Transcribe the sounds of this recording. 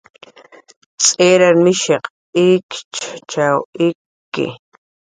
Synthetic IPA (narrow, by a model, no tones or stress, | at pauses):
t͡sʼeːɾaɾmɪʃeq | ɪkt͡ʃʰt͡ʃawɪkːɪ̰